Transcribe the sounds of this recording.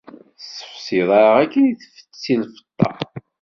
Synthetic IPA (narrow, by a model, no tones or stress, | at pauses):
sːə̥fsiðˤɑɾʁækːiniθfə̥t͡st͡sːilfə̥t̪ˤːɑ̰